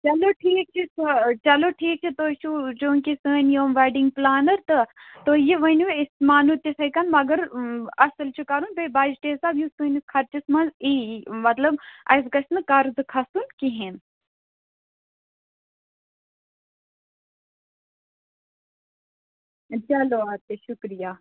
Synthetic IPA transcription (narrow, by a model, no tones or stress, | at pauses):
t͡ʃɐloʈʰiːk̚t͡ʃʰist͡ʃɐloːʈʰiːk̚t͡ʃʰit̪oːt͡ʃʰud͡ʒoːŋkisɨːnjoːmʋaɖiŋɡplaːnɐɾt̪ɨt̪oːjiʋɐnʲuʋismaːnut̪ʲisɐjkɐnmɐɡɐɾɐsɐlt͡ʃʰukɐɾuːnbebaːd͡ʒʈ̪eːsaːbjusunukʰɐɾt͡ʃismɐnziːmɐt̪lɐbɐ̰js̬kɐsnɨkɐɾzɨkʰɐsunkiɦen | t͡ʃɐloːaːt̪eʃukɾijaː